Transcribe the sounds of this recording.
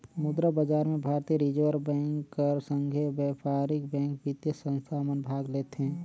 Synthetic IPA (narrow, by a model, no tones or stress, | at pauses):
mʊd̪ɾəbəd͡ʒaːɾmẽbʱaːɾt̪iəɾid͡ʒəʋəɾbɛ̃ːŋkːəɾsə̃ŋɡʱebɛpʰaːɾɪk̚bɛ̃ːŋk̚bit̪jəsə̃nst̪ʰamənbʱaːɡleːt̪ɦɛ̃ː